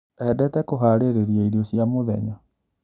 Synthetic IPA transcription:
ɛdɛtɛkoɦaːɾeɾeɾiaiɾiosjamoðɛ̰ɲa

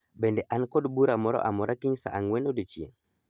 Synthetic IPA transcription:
bɛndɛʔankɔdbuɾamɔɾɔ̰ʔamɔɾʔakiɲsa̰ʔaŋwɛnodət͡ʃiḛn

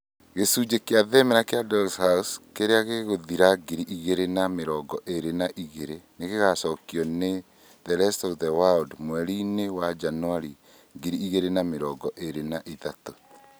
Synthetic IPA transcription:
ɣesuːd͡ʒekeaðɛmɛɾakeadɔlshauskeɾeaɣeɣoðiɾaɡiɾiʔiɣeɾenameɾɔɡɔʔeɾenaʔiɣeɾeneɣeɣasɔːkjɔne | ðɛɾɛstɔðɛwadmwɛɾinewad͡ʒanoaɾi | ɡiɾiiɣeɾenameɾɔɡɔʔeɾenaʔiðato

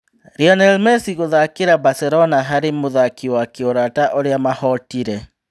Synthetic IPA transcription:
ɾiɔnɛlmɛsiɣoðakeɾabasɛɾɔnaɦaɾemoðakiwakeoɾataʔoɾeamahɔtiɾɛ

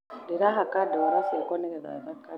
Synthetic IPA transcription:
dɛɾaɦakadɛwaɾasiakɔnɛɾɛɾa̰ɾaka

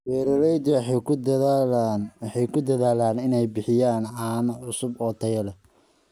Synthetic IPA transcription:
wɛːɾɐɾɛjd̪w̪ | wħɛjkʰʊd̪ɐðaːlaːnɪnɛjbɪħɪjaːnʕɑːnɐʕʊsʊbɔːt̪ʰɐjɐlɐ

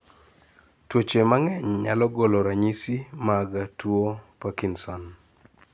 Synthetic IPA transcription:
twot͡ʃemaŋɛɲɲa̰lɔɡɔlɔɾaɲisimaɡatwopakinsɔn

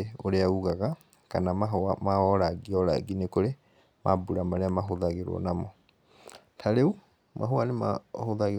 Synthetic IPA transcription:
eoɾeauɣaɣa | kanamaɦamaɔɾaɡiɔɾa̰ɡinekoɾe | mʔa̰buɾamaɾeamaɦoðaɣeɾwɔ̰namɔ | tʰaɾeu | ma̰ɦoanema̰hoðaɣ

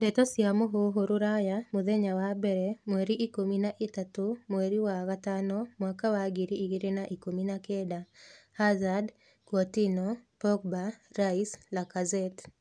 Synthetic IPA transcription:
dɛtɔsjamoɦoɦoɾuɾajamʊðeɲawabɛɾɛmweɾiʔikominaʔɪtatomweɾiwakatanɔmwakawaɡiɾiiɡiɾenaʔikominakedahazad | kwɔtinɔpɔk̚baɾaislakazɛt

